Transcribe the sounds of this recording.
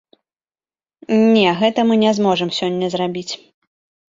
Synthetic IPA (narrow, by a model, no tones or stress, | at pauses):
nʲɛɣɛt̪ɐmɨnʲɛzmɔʐɨmsʲɔnʲːɐzɾabʲit͡sʲ